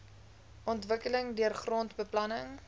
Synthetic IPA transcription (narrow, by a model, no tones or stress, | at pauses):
ʔɔntvəkələŋdyərχrɔntbəplɐnəŋ